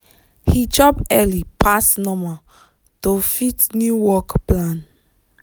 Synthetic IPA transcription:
hid͡ʒɔpɛlipasnɔ̃ma | tofitnjuwɔkplãn

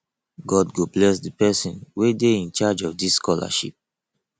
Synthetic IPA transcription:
ɡɔdɡoblɛsdəpɛsĩnwedeĩnt͡ʃad͡ʒɔvdiskɔla̰ʃḭp̚

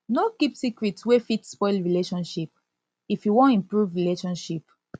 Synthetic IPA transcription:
nokipsikɹitwefitspɔɪlɹileʃɔ̃nʃip̚ | ifjuwõnĩmpɹuvɹileʃɔ̃nʃip

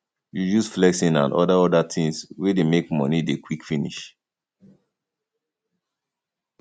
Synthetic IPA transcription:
jujusflɛksĩnã̰nʔɔ̰daɔdatʰĩŋswedemekmɔ̰nidekwikfinḭʃ

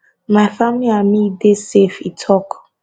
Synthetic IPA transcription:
mafamliamidesefitʰɔk

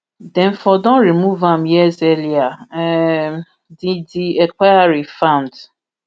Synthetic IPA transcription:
dɛ̃ɱfɔdɔ̃nɹimuvãmjɛzɛlia | didiɛkʷajaɹifãʊ̃nd

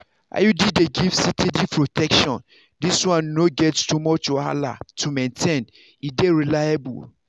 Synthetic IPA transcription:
a̰judideɡifsitʰidipʰɹotʰɛkʃɔ̃n | diswãnːoɡɛtstumɔt͡ʃɔa̰la̰tʰumẽntʰɛ̃n | ideɹilajabṵl

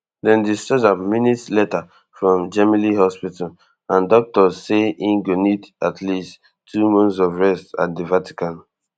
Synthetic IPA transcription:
dɛ̃ndistɛtaminitslɛta | fɹɔ̃md͡ʒɛmilihɔspital | ãndɔk̚tɔzseĩnɡonidatʰlist | tʰːumɔ̃nsɔvɹɛsta̰tdivati̥kãn

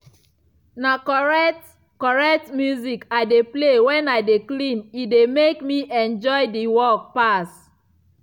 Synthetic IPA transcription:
nakɔɛt | kɔɹɛk̚tmjuzikaɪdeplewɛ̃naɪdeklĩnitdemekmiʔɛ̃nd͡ʒɔɪdiwɔk̚pas

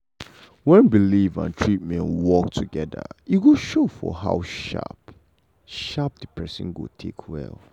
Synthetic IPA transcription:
wɛ̃nbilivã̰ntʰɹit̚mɛ̃nwɔk̚tʰuɡɛdə̰juɡoʃofɔ̰ɦa̰ʊʃa̰p | ʃap̚dəpʰɛsɪ̰̃nɡo̰tʰekʰwɛ̰lˠ

